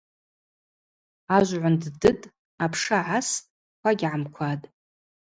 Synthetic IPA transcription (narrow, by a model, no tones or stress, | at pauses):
aʒʷʕʷanddɨtʼ | apʰʂaʕas | kʷʰaɡʲʕamkʷʰatʼ